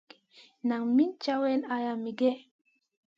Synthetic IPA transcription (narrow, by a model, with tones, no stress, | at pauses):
na˨ŋmi˦nt͡ʃa˦wɛ˦na˨ja˨mi˨ɡɛ˦